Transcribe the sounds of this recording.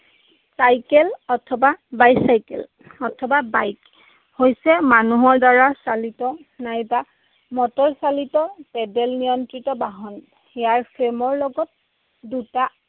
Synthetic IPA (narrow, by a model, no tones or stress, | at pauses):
sajkɛlɔtʰɔbabajsajkɛ̰l | ɔtʰɔbabajk | hojsɛmanuɦɔɹdaɹasalitɔnajba | mɔtɔɹsalitɔpɛdɛlnijɔntɹitɔbaɦɔn | ɛjaɹpʰemɔɹlɔɡɔt̚ | duta